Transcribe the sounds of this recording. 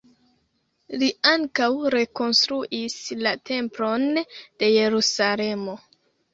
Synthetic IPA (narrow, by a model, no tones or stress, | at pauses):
liaŋkawɾe̞ko̞nst̪ɾuʔislatʰe̞mplo̞nd̥e̞je̞ɾusale̞mo̞